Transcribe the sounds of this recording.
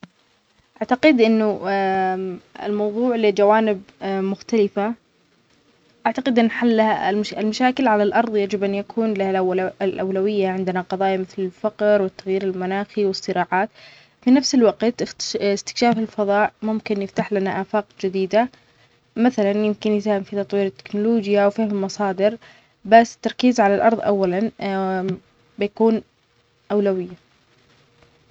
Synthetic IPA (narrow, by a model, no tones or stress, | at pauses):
ʔaʕt̪aqɪd̪ʔɪnːʊ | ɪ̰lmɑwðˤuːʕlɪd͡ʒawaːnɪb̚mʊxt̪alɪfa | ʔaʕt̪aqɪd̪ʔɪnːħalːahaɪlmaʃaːkɪlʕalalʔɑɾˤðˤjad͡ʒɪbʔanjakʰuːnlahallʔawlawɪjːaʕɪnd̪ɪnaqɑðˤɑːjmɪθlɪlfaqɾwɪt̪ːaɣjiːɾɪlmanaːxiwɪsːɨɾɑːʕaːt̪ | finafsɪlwaɡt̪ɪɪst̪ɪ̥kʃaːfɪlfɑðˤɑːʔmʊmkɪnjɪft̪aħlanaʔaːfaːqd͡ʒɪd̪iːd̪a | maθalanjɪmkɪnjɪt̪hɪmfit̪ɑt̪ˤwiːɾɪt̪ːɪ̥knʊloːd͡ʒjawfaːhmɪlmɑsˤɑːd̪ɪɾ | basːt̪ːɑɾˤkiːzʕalalʔɑ̰ɾˤðˤʔa̰wːalan | bɪjakuːn | ʔawlawɪjːa